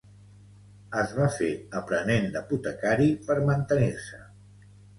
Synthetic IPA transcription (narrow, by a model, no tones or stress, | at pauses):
əzβafeəpɾənend̪əput̪əkaɾipəɾmənt̪əniɾsə